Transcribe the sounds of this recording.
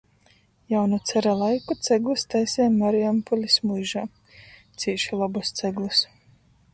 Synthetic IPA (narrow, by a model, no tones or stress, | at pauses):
jawnut̪sɛɾalˠajkut̪sɛɡlˠust̪ajsʲɛːmaɾiampɔlʲismujʒaː | t̪siːʃilˠɔbust̪sɛɡlˠus